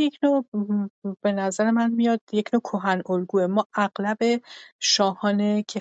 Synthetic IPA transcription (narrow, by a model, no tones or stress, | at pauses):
jecʰnoː | b̥e̞næzæɾe̞mænmijɒːd̪̥je̞cʰnoːkʰoɦænolɡuːemɒːʔæɢlæbe̞ʃɒːhɒːnecʰe